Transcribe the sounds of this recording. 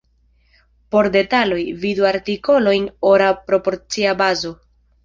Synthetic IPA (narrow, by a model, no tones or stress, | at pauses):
po̞ɾde̞talo̞jviduaɾtiko̞lo̞jno̞ɾapɾo̞po̞ɾt͡siabazo̞